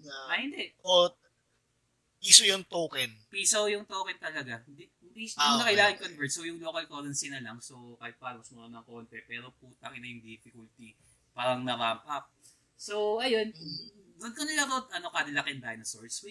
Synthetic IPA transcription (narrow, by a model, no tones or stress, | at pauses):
ʔɐhɪnd̪ɛʔʔo | piːsojʊŋt̪oːkɛnpiːsɐjʊŋt̪oːkɛnt̪ɐlɐɡad̪i | pisʊŋnɐkɐjlaːkɪnkonvɛt̪sowjʊŋloːkɐlkolɐnsɪnɐlɐŋsowkaːhɪt̪̚paːnɐsmʊɾɐnɐŋko̞ːnt̪ɛpɛːɾo̞put̪ɐkɪnɐjʊŋd̪iːfɪkʊlt̪i | paːɾɐŋnɐɾaːmpɐp̚ | so̞wʔɐjonɡʊd̪̚konɐlɐbawt̪̚ʔɐno̞kɐd̪ɐlɐkɛnd̪aːhɪnɐsoɹswi